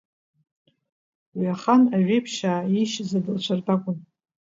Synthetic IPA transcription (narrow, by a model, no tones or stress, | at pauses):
waχanaʒᶣejpʰʃaːiʃzadɨlt͡ʃʷʰartʰʼakʷʼʊn